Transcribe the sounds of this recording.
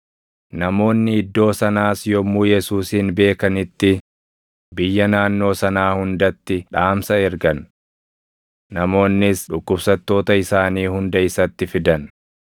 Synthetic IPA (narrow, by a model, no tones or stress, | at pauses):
nɐmo̞ːnːɪɪd̪ːo̞ːsɐnaːsjɔmːuːjɛsuːsiːnbe̞ːkɐnɪt̪ːɪ | bɪjːɐnaːnːo̞ːsɐnaːhʊnd̪ɐt̪ːɪᶑaːmsɐɛɾɡɐn | ɐmo̞ːnːɪsᶑʊkːʊbsɐt̪ːo̞ːt̪ɐɪsaːniːhʊnd̪ɐɪsɐt̪ːɪfɪd̪ɐn